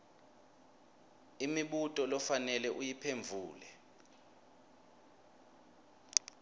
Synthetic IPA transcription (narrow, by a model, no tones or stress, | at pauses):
imiɓutʼɔlɔfanɛlɛʔujipʰeɱb̪vʱuːlɛ